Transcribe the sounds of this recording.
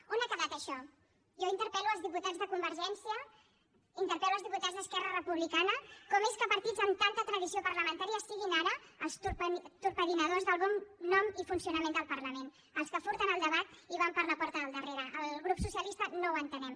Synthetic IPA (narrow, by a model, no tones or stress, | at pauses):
unəkəβat̪əʃɔ | ʒɔint̪əɾpɛluəlzðiput̪azðəkumbəɾʒɛnsiə | int̪əɾpɛluəlˠzðiput̪ad͡zzðəskɛrərəpuβlikanəkɔmeskəpəɾt̪id͡zəmt̪ant̪ət̪ɾəðisiopəɾləmənt̪aɾiəːsiɣinaɾəːlˠst̪upt̪uɾpəðinəðozðəlˠβɔnːɔmifunsiunəmend̪əlˠpəɾləmen | əlˠskəfuɾt̪ənəlˠd̪əβat̪iβampəɾləpɔɾt̪əðəlˠd̪əreɾəʔəlɣɾupsusiəlist̪ənowənt̪ənɛm